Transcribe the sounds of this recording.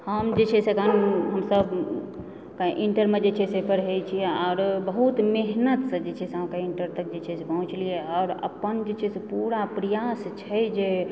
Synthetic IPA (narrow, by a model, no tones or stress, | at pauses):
həmd͡ʒet͡ʃʰɛsekənɦəmsəb | kaʔiɳʈəɾmed͡ʒet͡ʃʰɛsepəɾɦejt͡ʃʰiɛɔːɾbəɦut̪meɦnət̪sə̃d͡ʒet͡ʃʰɛseɦamkaiɳʈəɾt̪ək̚d͡ʒet͡ʃʰɛsepəɦũt͡ʃlieaːɾə̰pənd͡ʒet͡ʃʰesepuɾapɾəjast͡ʃʰɛjd͡ʒe